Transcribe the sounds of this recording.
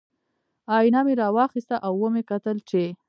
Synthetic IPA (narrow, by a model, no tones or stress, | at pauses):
ɑjnameɾɑwɑxist̪aʔawːəmekat̪əlt͡ʃe